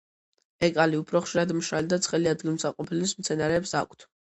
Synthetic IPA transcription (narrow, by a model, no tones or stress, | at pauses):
ɛkʼaliupʰɾɔχʃiɾad̪mʃɾald̪at̪sʰχɛliad̪ɡilmsaqʼɔpʰilismt̪sʰɛnaɾɛːpsa̰kʷʰt̪ʰ